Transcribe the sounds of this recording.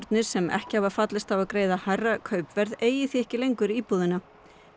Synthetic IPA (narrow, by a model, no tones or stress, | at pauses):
ɾt̪nɪɾ̥sɛmɛ̰hcɪhavaɾfat̪lɪst̪avakɾeːjðaharːakʰœːɥpvɛɾðeːjɪθiɛhcɪlejŋkʏɾiːpuðɪna